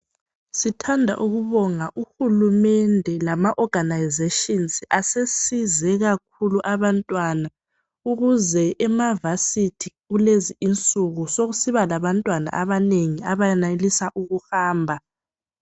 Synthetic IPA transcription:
sitʰandʱa̰ʔuɣuβɔŋaʔuhulumɛndʱɛlamaʔɔɡ̥ʱanajzeʃinsasesizɛɣak̚ʰuluʔaβantʼwana | uɣuzɛʔɛmavasitʰiɣuleziint͡sʼuɣusoɣusiβalaβantʼwana̰ʔaβaneŋiaβajɛnalisaʔuɣuhaːmbʱa

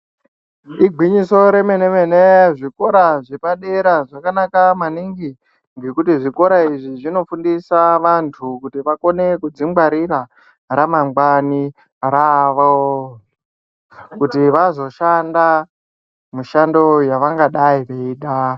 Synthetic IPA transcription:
iɡʱwiɲiso̞ɾe̞menemeneʐiko̞ɾaʐepaɗe̞ɾaʐakanakamaniŋɡi | ŋɡe̞kutiʐiko̞ɾaiʐiʐino̞fundisaʋantʰukutiʋako̞ne̞kud͡zimwaɾiɾa | ramaŋɡwani | raʋo | kutiʋazo̞ʃanda | muʃando̞jaʋaŋɡaɗaiʋeiːɗa

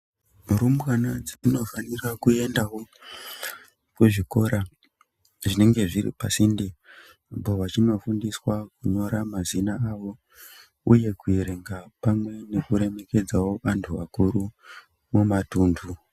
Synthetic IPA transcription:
urumbwanad͡ziino̞fanirakue̞ndawo | kuʐiko̞ɾa | ʐine̞ŋɡe̞ʐirḭpasindi | boʋat͡ʃino̞fundiswakuɲo̞ɾamazinaːʋo̞ | uje̞kuiɾeŋɡapamwe̞ne̞kuɾe̞me̞ke̞d͡zawo̞ʋantʰuʋa̰kuɾu | mumatuːndʰʱu

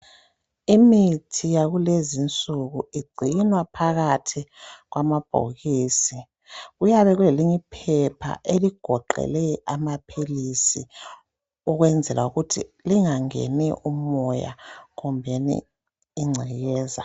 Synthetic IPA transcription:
imitʰijaɣulezint͡sʼuɣuiɡ͡ǀʱinwapʰaɣatʰiɣwamab̥ʱo̰ɣiːsi | ɣujaβɛɣuleliɲipʰɛpʰa̰ʔeliɡ̥ʱɔǃɛ̰lɛamapʰilisi | uɣwɛnd͡zʱɛlauɣutʰḭliŋaŋḛniʔumɔja̰ɣumbʱenḭː | ŋ͡ǀʱiɣɛːza

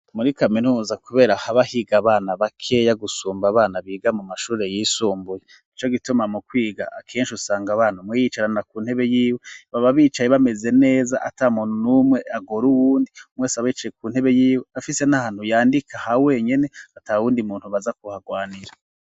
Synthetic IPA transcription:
muɾikaminuːzakuβe̞ːɾahaβahiɡaβaːnaβakʰe̞jaɡusuːmbaβaːnaβiːɡamumaʃuːɾe̞jiːsuːmbuje | it͡ʃo̞ɡitumamukwiːɡa̰akʰeːnʃusaːŋɡaβaːnumwejit͡ʃaɾanakuːn̥he̞βe̞jiːweβaβaβiːt͡ʃajeβame̞ze̞ne̞ːzaʔatamuːnhunumwe̞ʔaɡoɾuwuːndiumweːsaβit͡ʃajekuːn̥he̞βe̞jiːweafisenahaːn̥hujaːndikʰahawe̞ɲe̞ne̞atawuːndimuːnhuβazakuhaɡwaːniɾa

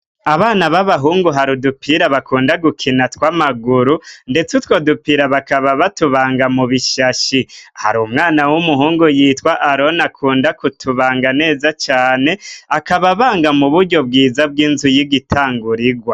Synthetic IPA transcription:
aβaːnaβaβaɦuːŋɡuɦaɾudupʰiɾaβakʰuːndaɡukʰinatwaːmaɡuɾunde̞t͡sutwo̞ːdupiɾaβakaβaβatuβaːŋɡamuβiʃaʃiha̰ɾuːmŋaːnawumuɦuːŋɡujiːtwaʔaɾo̞nakʰuːndakutʰuβaːŋɡane̞ːzat͡ʃaːne̞akaβaβaːŋɡamuβuɾɟo̞bɡiːzab̚ɡiːnzujiɡitʰaːŋɡuɾiɡwa

